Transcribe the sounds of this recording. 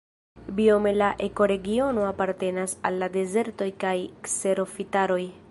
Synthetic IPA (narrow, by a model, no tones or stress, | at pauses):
bio̞me̞laʔe̞ko̞ɾe̞ɡio̞no̞apaɾte̞nasalːade̞ze̞ɾto̞jkajkse̞ɾo̞fitaɾo̞j